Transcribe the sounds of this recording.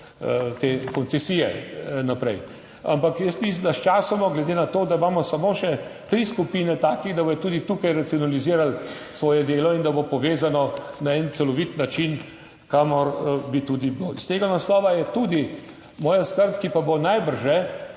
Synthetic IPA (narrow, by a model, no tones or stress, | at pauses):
t̪eːkɔntt͡s̪ɛsiːjɛ̰napɾɛ̰j | a̰mpakjəst̪mislimd̪aʃt͡ʃaːsɔmɔɡlɛd̪eːnat̪oːd̪aimaːmɔsamoːʃɛ | t̪ɾiskupiːnɛt̪aːkiɣd̪ɐbojɛt̪uːd̪it̪uːkajɾat̪siɔnaliziːɾal | sʋɔːjɛd̪eːlɔind̪ɐbopɔʋeːzanɔnaɛnt̪sɛlɔʋit̪nat͡ʃin | kamɔɾbit̪uːd̪iblowist̪eːɡanaslɔːʋajɛt̪ud̪i | mɔːjaskəɾpkipabonajbəɾʒɛ